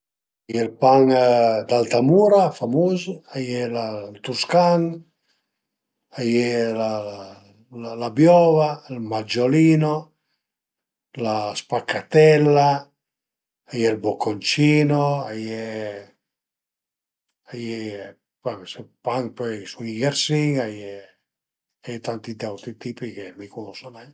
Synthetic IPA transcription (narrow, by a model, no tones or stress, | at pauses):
ajɛlpaŋd̪alt̪amuːɾafamozajɛlalt̪uskaŋ | ajela | lalabjɔvalmad͡ʒoliːno | laspakːat̪ɛlːa | ajɛlbokʰːont͡ʃiːnoajɛ | ajɛ | pamsepaŋpɔsuŋiɡeɾsiŋajɛ | ajɛt̪ant̪id̪ɛwt̪ɾit̪ipikemikunɔsonɛ